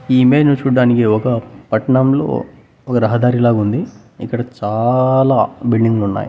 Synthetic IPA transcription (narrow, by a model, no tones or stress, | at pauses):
iːmeːnut͡ʃuːɖːaːnikiɔkɐpɐʈɐɳɐmlo̞̰ː | ɔkɐɾɐɦɐd̪aːɾilaːɡund̪i | ikːɐɽɐt͡ʃaːlaːbilɖiŋɡlunːa̰ːjḭ